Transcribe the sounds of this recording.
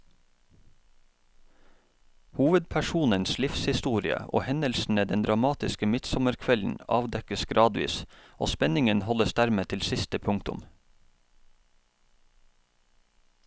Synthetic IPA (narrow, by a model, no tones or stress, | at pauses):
huːʋəd̪̚pʰæʃuːnənslɪfshɪst̪uːɾɪə̰ʔo̰ːhɛnəlsn̩əd̪ɛnd̪ɾɑmɑːt̪ɪskəmɪt̪sɔməɾkʰʋɛln̩ɑ̰ːʋd̪ɛkəsɡɾɑːd̪ʋḭːsʔoːspɛnɪŋənhɔləsd̪æɾmeːt̪ʰɪlsɪst̪əpʰʊŋt̪ʊ̰m